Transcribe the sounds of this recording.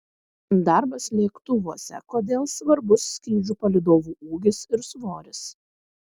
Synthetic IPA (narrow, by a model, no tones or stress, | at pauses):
d̪ɑɾbɐslʲeːkt̪ʊʋoːsʲɛ̰koːd̪ʲeːlˠsʋɐɾbʊsːʲkʲɾʲiːd͡ʒʲuːpɐlʲɪd̪oːʋuːʔuːɡʲɪsɪɾsʋoːɾʲɪs